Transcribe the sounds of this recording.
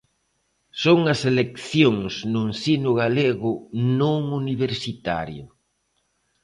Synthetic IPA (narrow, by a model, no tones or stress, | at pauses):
soŋɐselekθjoŋsnʊnsinʊɣaleɣʊnõŋuniβeɾsit̪a̰ɾjʊ